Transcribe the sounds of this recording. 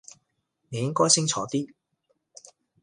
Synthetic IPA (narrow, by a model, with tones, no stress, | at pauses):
ne˨˧jɪ˥ŋkɔː˥jsɪ˥ŋt͡sʰɔː˨˥t̪iː˥